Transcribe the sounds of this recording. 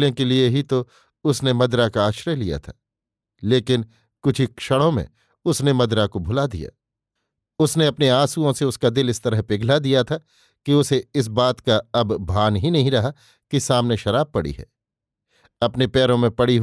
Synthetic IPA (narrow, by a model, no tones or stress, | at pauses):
lẽkelieɦit̪o | ʊsnemɐd̪ɾakaːʃɾelija̰t̪ʰaː | leːkɪn | kʊt͡ʃʰikʃɐɽ̃õmḛ̃ | ʊsnemɐd̪ɾakobʱʊlad̪ḭja̰ː | ʊsneɐpneaːsuõseʊskad̪ɪlɪst̪ɐɾəɦpɪɡʱlad̪ijat̪ʰa | kiʊseɪs̬baːt̪kaɐbːʱaːnɦinɐɦĩɾɐɦa | kisaːmneʃɐɾaːb̚pɐɽḭɦɛ̰ː | ɐpnepɛːɾõmẽpɐɽiɦ